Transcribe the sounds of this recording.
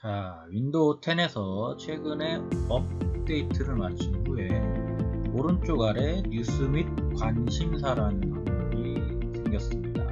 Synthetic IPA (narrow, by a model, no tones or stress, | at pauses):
t͡ɕawindotʰe̞ne̞sʰʌt͡ɕʰwe̞ɡɯne̞ʌp̚d͈e̞itʰɯɾɯɭmat͡ɕʰinɡue | oɾɯnt͡ɕ͈oɡaɾe̞ɲus͈ɯmit̚kwaɲɕʰimsʰaɾanɯnmanboɾi | sʰeŋɡjʌs͈ɯmɲida̰